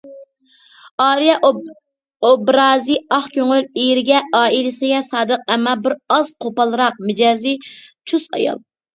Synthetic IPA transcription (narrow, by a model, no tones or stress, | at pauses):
ɑːlijɛ | obɾɑːziɑχkʲøŋylejɾɪɡʲɛʔɑːilɪsɪɡʲɛsɑːd̪əq̚ɛmɑbɪɾɑz̥qʰopɑlˠɨɾɑq̚mɪd͡ʒɑːzit͡ʃʰusɑ̰jɑ̰lˠ